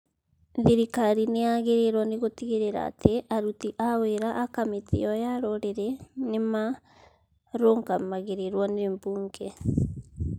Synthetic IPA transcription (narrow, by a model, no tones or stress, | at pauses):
ðiɾikaɾineaɣeɾeɾwaneɣotiɣeɾeɾa̰ːtʰeʔaɾutiʔaweɾaʔːkametḛɔjaɾɔɾeɾɛnema | ɾoŋɡamaɣeɾeɾwanembuːŋɡɛ